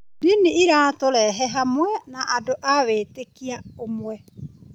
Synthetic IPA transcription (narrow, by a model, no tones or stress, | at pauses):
diniiɾatoɾɛɦɛɦamwɛnaʔadoʔaβeːtekiaomwɛ